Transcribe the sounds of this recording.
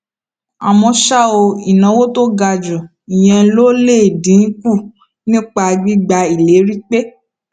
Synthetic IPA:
a˨mɔ̃˧ʃa˦o˧i˨nã˨˦wo˦to˦ɡa˧d͡ʒu˨ | i˨j̃ɛ̃˧˦lo˦le˦˨dĩ˨˦n̩˦ku˦˨ | nĩ˦k͡pa˧ɡ͡bi˦ɡ͡ba˧i˨le˨˦ɾi˦k͡pe˦

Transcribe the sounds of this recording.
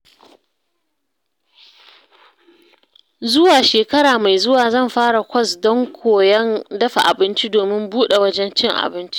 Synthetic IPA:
zʊ˦waː˨ʃeː˨kɐ˦ɽaː˨ma˨jzʊ˦waː˨zɐ˦˨mɸaː˦ɽa˨kʷɐ˦sdɔ˦ŋkʷʰoː˨jɐ˦ndɐ˦ɸa˨ʔa˨bɪ˦nt͡ʃi˦doː˨mɪ˦mbuː˦ɗe˨wɐ˦d͡ʒɛ˦nt͡ʃɪ˦ŋʔa̰˨bɪ˦nt͡ʃi̥˦ʔ

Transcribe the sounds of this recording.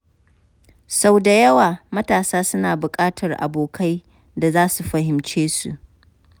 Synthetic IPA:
sa˦wda˨jɐ˦waː˨mɐ˦taː˨saː˦sʊ˦naː˨bʊ˨kʼaː˦tʰɐ˨rʔa̰˨boː˨kʰa˦j | da˨zaː˦su˨ɸɐ˨hɪ˨mt͡ʃeː˦sṵ˨ʔ

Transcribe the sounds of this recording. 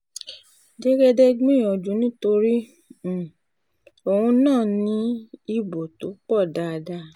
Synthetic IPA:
d͡ʒɛ˦ɡɛ˧dɛ˧ɡ͡bĩ˦˨j̃ɔ̃˨d͡ʒũ˨˦nĩ˦to˧ɾi˦˨ | o˨hũ˧nãː˦˨nĩ˧˦i˧bo˨to˨˦k͡pɔ˦˨da˧da˧˦

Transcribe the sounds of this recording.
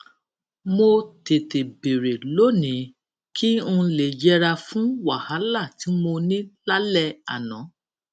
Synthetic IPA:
mo˧te˨te˨be˨ɾe˨lo˨˦nĩ˨˦ | kʰi˦ũ˧le˨d͡ʒɛ˦ɾa˧fũ˦wa˨ha˨˦la˦˨ti˨˦mo˧nĩ˦la˦lɛ˧a̰˨nã˨˦

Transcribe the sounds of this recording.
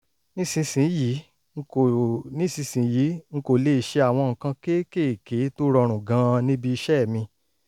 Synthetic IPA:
nĩ˦sĩ˧sĩ˨˦ji˨˦ | ŋ̩˦o˨nĩ˦sĩ˧sĩ˨˦ji˨˦ŋ̩˦ko˨le˦˨ʃe˧a˨w̃ɔ̃˧ŋ̩˨kã˧ke˦ke˦˨ke˨˦to˦ɾɔ˧ɾ̃ũ˨ɡã˨˦nĩ˦bi˧i˧ʃɛ˦˨mĩ˧

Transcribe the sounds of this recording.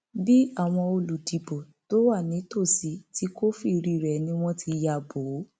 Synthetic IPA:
bi˦a˦˨w̃ɔ̃˧o˧lu˨di˨bo˨ | to˦wa˦˨nĩ˨˦to˦˨si˨˦ti˧˦ko˦fi˦˨ɾi˨˧ɾɛ˨nĩ˧˦w̃ɔ̃˦tʰi˧ja˨bo˨˦

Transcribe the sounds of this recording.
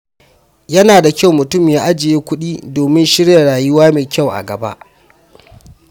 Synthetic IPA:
jɐ˦naː˨da˨kʲa˦˨wmʊ˨tʊ˦˨mja˦ʔa˦d͡ʒɪ˨jeː˦kʷʊ˦ɗiː˦doː˨mɪ˦nʃɪ˦ɽja˨ɽaː˨jʊ˦waː˦meː˨kʲa˦˨wʔa̰˨ɡɐ˨ba̰˦ʔ

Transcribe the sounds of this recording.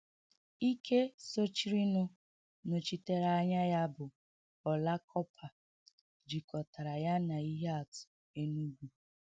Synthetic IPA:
i˦kʰe˦so˦t͡ʃi˦ɾi˦nʊ˦ | no˨t͡ʃi˦te˦ɾa˨a˦ɲa˦ja˦bʊ˨ | ɔ˨la˦kʰɔ˦pʰa˨ | d͡ʒi˨kɔ˨ta˨ɾa˨ja˦na˨i˦ɦe˦a˨tʊ̥˨ | e˦nu˦ɡʷu˨

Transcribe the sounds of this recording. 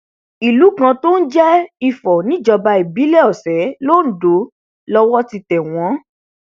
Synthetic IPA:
i˨lu˨˦kã˧to˦n̩˦d͡ʒɛ˦i˨fɔ˨nĩ˦d͡ʒɔ˧ba˧i˨bi˨˦lɛ˦ɔ˨sɛ˨˦lo˦˨n̩˨˦do˨˦ | lɔ˧wɔ˦ti˧tɛ˨w̃ɔ̃˨˦

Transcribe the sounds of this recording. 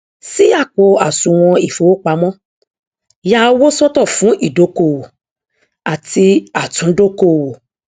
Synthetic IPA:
si˦a˦˨k͡po˨˧a˨sũ˧w̃ɔ̃˧i˨fo˨˦o˦k͡pa˧˦mɔ̃˦ | ja˦˧o˦wo˦sɔ˦tɔ˦˨fũ˨˦ʔi˦˨do˨˦ko˧˨wo˨ | a˨ti˧a˨tũ˨˦do˦ko˦˨wo˨

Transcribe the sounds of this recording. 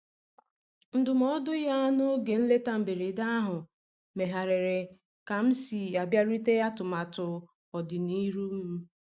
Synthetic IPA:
n̩˦dʊ˨m˦ɔ˦dʊ˦ja˦no˦ɡe˨n̩˦le˦ta˦m̩˨be˨ɾe˨da˦a˦ɦʊ˨ | me˨ɦa˨ɾe˨ɾe˨ | ka˨m̩˦si˨a˨bja˦ɾi˦te˦ja˦tʊ˨ma˨tʊ˨ | ɔ˨dɪ˨ni˦ɾu˦m̩˦

